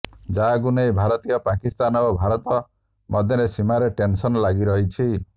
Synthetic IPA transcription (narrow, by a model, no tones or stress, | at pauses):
d͡ʒaɡunejbʱaɾɔt̪ijɔpakist̪anɔobʱaɾɔt̪ɔ | mʔɔd̪ʱjɔɾesimaɾeʈensɔnɔlaɡiɾɔɦit͡ʃʰi